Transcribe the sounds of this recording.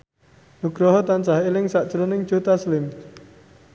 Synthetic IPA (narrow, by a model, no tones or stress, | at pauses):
nuɡ̥ɾɔɦɔt̪ant͡ʃaɦelɪŋsaʔd̥ʒ̥ɾonɪŋ̥ʒ̥ot̪aslɪm